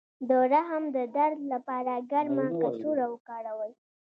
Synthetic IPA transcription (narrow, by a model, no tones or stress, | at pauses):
d̪əɾaɦəmd̪əd̪aɾd̪lapɑɾaɡaɾmakasuɾawəkaɽawəj